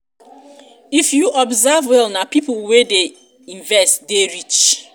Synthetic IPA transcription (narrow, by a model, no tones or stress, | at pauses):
ifjuʔɔbzavwɛlnapipʊlwede | ĩɱvɛstdeɹit͡ʃ